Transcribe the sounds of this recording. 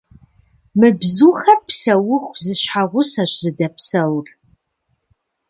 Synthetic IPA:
mɨbzuxɐpʰsɐwʊχʷzɨɕħaʁʷʊsaɕʷzɨdɐpʰsɐwr

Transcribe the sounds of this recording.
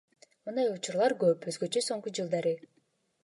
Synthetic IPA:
mɯnd̪ɑjut͡ʃuɾlˠɑɾɡøpøzɡøt͡ʃøso̞ŋqud͡ʒɯlˠd̪ɑɾɯ

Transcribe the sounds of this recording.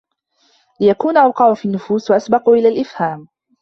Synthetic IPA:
lɪjakuːnʔawqɑʕʊfiːnːʊfuːswaʔasbɑquːʔɪlaːlʔɪfhaːm

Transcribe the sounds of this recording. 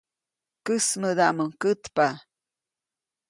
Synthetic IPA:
kəsməd̪aʔməŋkɨt̪pa

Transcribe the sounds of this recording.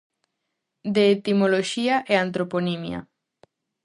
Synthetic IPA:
d̪eːt̪imoloʃiaʔeant̪ɾoponimja̰

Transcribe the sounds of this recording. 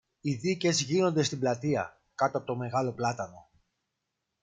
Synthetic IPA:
iðice̞zʝino̞nd̪e̞st̪iblɐt̪iɐ̰ | kɐt̪oɐpo̞t̪ome̞ɣɐlo̞plɐt̪ɐno̞

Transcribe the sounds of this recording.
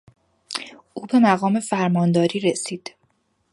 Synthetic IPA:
ʔuːbe̞mæɣɒːme̞fæɾmɒːnd̪ɒːɾiːɾesiːd̪̥

